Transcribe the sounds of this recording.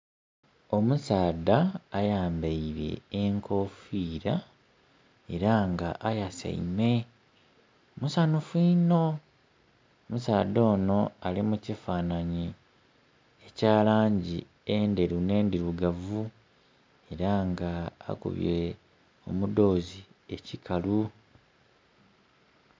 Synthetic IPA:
o̞musaːdaːjaːmbeiɾe̞̰ːŋkʰo̞fiːɾa | e̞ɾaŋɡaʔajasa̰ḭme̞ | musanufiːno | omusaːd̪o̞ːno̞alimucifaːnaɲi | ecaːlaːɲɟḭ | ende̞ɾune̞ːndiɾuɡavu | e̞ɾaŋɡa̰ːkṵβḭe | o̞̰mudo̞ːzie̞cikʰalu

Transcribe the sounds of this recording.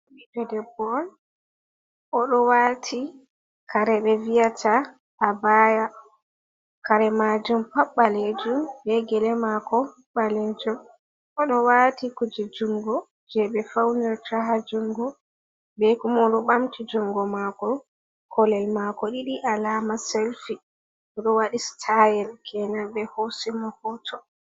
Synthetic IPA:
ɗid͡ʒɛdɛbɔn | ɔɗɔwatʰi | kʰaɾɛɓɛvijatʰa | ʔːbaja | kaɾɛmad͡ʒumpaɓːaled͡ʒumbɛɡɛlɛmakɔ | ɓalɛnd͡ʒum | ɔɗɔwatikud͡ʒid͡ʒuŋɡɔ | d͡ʒɛɓɛfawnɛɾtaɦad͡ʒuŋɡɔ | bɛkumɔɗɔɓamtʰid͡ʒuŋɡɔmakɔ | kʰɔlɛlmakɔɗiɗiʔalamaselfi | ɔɗɔwaɗistʰajɛlkʰɛnabɛhosimɔhɔtʰɔ

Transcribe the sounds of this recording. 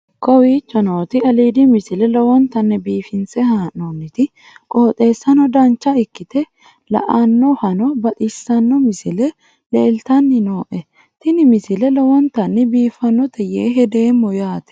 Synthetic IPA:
kɔwiːt͡ʃːɔnoːt̪ɪɐliːd̪imɪsɪlɛlɔwɔnt̪ɐnːɛbiːfɪnsɛhaːnːonːɪt̪ɪ | kʼo̞ːt̪ʼe̞ːsːɐnɔd̪ɐnt͡ʃːɐɪkːɪt̪ɛ | lɐ̰ʔɐnːɔhɐnɔbɐt̪ʼɪsːɐnːɔmɪsɪlɛ | leːlt̪ɐnːɪno̞ːʔɛ | t̪ɪnɪmɪsɪlɛlɔwɔnt̪ɐnːɪbiːfɐnːɔt̪ʰɛjeːɦɛd̪eːmːɔjaːt̪ɛ̥

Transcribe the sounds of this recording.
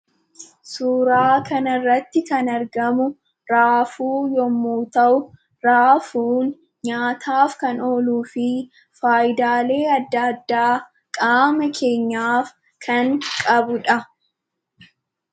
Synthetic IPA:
suːɾaːkɐnɐrːɐt̪ːɪkɐnɐɾɡɐmʊ | ɾaːfuːjɔmːuːt̪ɐʔʊ | ɾaːfuːn | ɲaːt̪ʰaːfkɐno̞ːluːfɪ | faːjɪd̪aːle̞ːɐd̪ːɐːd̪ːaː | kʼaːmɐkʰe̞ːɲːaːf | kʰɐŋkʼɐbʊᶑɐ

